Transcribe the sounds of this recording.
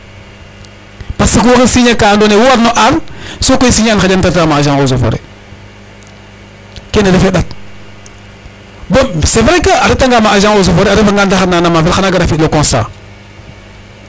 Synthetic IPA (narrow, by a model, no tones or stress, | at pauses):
pasikwokisiɲakandonewwaɾnoʔalsokoisiɲanad͡ʒantatmaad͡ʒaŋozofo̰ɾḛ | kenelefeɗat̚ | bosevɾekaaɾetaŋɡamaaʒaŋozofoɾeaɾefaŋɡandaananamavelanaɡaɾafitlokosa̰